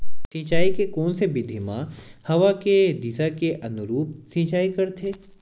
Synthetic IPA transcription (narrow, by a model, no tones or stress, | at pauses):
sĩːt͡ʃaːikekɔːnsebɪd̪ʱimã̰hɐʋaked̪ɪsakeʔɐnʊɾuːp̚sĩːt͡ʃaːikɐɾt̪ʰeː